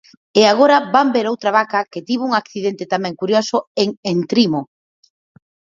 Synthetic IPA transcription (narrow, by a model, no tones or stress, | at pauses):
eaɣ̞oɾabambeɾowt̪ɾaβakaket̪iβuŋakθiðent̪et̪amɛ̃ŋkuɾjosʊeŋent̪ɾimo